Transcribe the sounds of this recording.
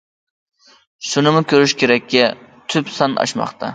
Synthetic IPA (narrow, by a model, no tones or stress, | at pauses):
ʃunɨmʊkʲʰøɾyʃkʲʰeɾɛkʲːɛt̪ʰypsɑnɑ̰ʃmɑ̰χt̪ʰɑ